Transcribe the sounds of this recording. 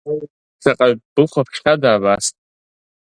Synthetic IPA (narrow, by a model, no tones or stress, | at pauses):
saqʼab̥ɨlχʷapʰʃχʲadaːbastʼ